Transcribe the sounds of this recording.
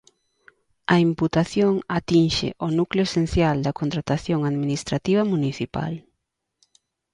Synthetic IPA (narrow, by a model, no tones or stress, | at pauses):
ɐimput̪aθjoŋat̪inʃɪ̰ʔonukljʊesen̟θjald̪ɐkont̪ɾat̪aθjoŋaðminist̪ɾat̪iβɐmuniθipa̰l